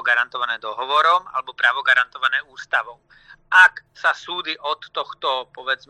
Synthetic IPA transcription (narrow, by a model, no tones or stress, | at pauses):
ɡaɾant̪ɔʋanɛːd̪ɔɦɔʋɔɾɔma̰lɛbɔpɾaːʋɔɡaɾant̪ɔʋanɛːuːst̪aʋɔ | aksasuːd͡ziʔɔt̪ːɔxt̪ɔpɔʋɛd͡zm